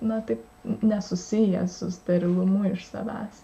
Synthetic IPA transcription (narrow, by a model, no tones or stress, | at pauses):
nʊt̪ɐɪp | nʲɛsʊsʲɪjɛ̰sʊst̪ɐɾʲɪlˠʊmʊɪʃsɐ̰ʋʲæ̰ːs